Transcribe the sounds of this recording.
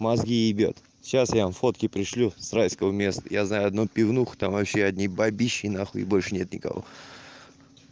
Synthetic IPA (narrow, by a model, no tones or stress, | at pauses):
mɐzɡʲiɪbʲo̰t̪ | ɕasjamfo̞t̪kʲɪpɾʲɪʂlʲusrajskəvəmʲe̞st̪əjaznajʊɐd̪nopʲɪvnuxt̪amvɐpɕːeɐd̪ʲnʲibabʲiɕːɪnaxəɪ̰bo̞lʲʂɨnʲe̞t̪nʲɪkɐ̰vo̞̰